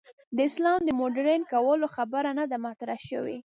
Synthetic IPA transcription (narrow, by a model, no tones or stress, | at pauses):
d̪əɪslɑmd̪əmoɖɾenkawəloxabaɾanad̪amat̪ɾahʃəwḭ